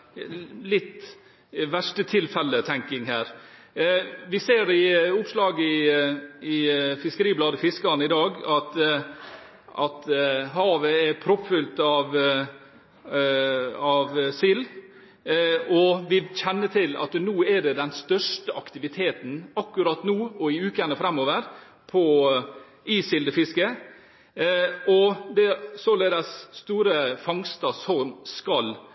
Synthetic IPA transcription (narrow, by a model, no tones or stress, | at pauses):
lɪt̪ː | ʋæʂʈət̪ʰɪlfɛlːət̪ʰɛŋkɪŋhæːɾ | ʋɪseːɾɪʊpslɑːɡɪ | ɪfɪskəɾiːblɑːd̪əfɪskɑnəɪd̪ɑːɡɑt̪ | ʔɑt̪ɦɑːʋəɛɾpʰɾʊffʏlt̪ɑʋ | ɑʋsil | ɔʋɪçɛnːət̪ʰɪlɑ̰t̪nuːɛɖɛd̪ɛnst̪œʂʈəʔɑkt̪ɪʋɪt̪ʰeːt̪n̩ɑkːʉɾɑt̪nuːɔɪʉːkəɛnːəfɾɛmoːʋəɾ | pʰɔ | iːsɪld̪əfɪskə | ɔd̪ɛsɔleːd̪əsst̪uːɾəfɑŋst̪ɑsɔmskɑl